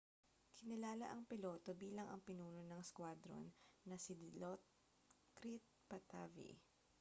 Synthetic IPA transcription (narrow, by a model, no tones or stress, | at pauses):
kʰɪnɪlaːlɐ̰ʔɐŋpɪlo̞ːt̪o̞biːlɐŋɐ̰ŋpɪnuːnonɐŋskwad̪ɾo̰nːɐsɪd̪lot̪̚ | kɾit̪̚pɐt̪a̰ːvḭ